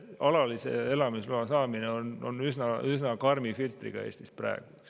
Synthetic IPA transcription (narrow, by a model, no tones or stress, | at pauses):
ɑlɑlise̞̰e̞lɑmisluɑsɑːmineono̞̰nysnɑʔysnɑkɑrmifilt̪rḭɡ̥ɑ̰e̞̰ːst̪ispræ̰eɡ̥us